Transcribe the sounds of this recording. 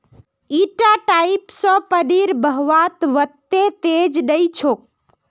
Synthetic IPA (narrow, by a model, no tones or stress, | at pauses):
iʈaʈaipsɔ̃pəɖiɾbəɦʋat̪ʋət̪ːet̪ed͡ʒnəjt͡ʃʰok̚